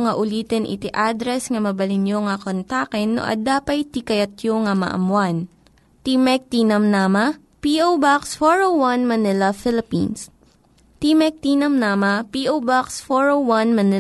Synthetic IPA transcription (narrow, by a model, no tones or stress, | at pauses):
ŋɐʔʊliːt̪ɛnʔɪ̰t̪iʔad̪ɾɛsŋɐmɐbɐlɪnjoŋɐkont̪aːkɛnːo̰ʔɐ̰d̪aːpɐjt̪ikɐjɐt̪joŋɐmɐ̰ʔɐ̰mwan | t̪imɛk̚t̪iːnɐmnaːmɐ | piʔowbaksfoɹowwɐnmɐnɪlɐfɪlɪpḭns | t̪imɛk̚t̪iːnɐmnaːmɐpiʔowbaksfoɹowwɐnmɐnɪ